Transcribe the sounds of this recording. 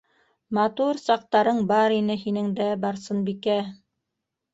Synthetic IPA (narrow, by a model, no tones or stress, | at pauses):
mɑt̪uɾsɑq̚t̪ɑɾɤɴbɑɾinɘɦinɘŋd̪æbɑɾsɤnbikæ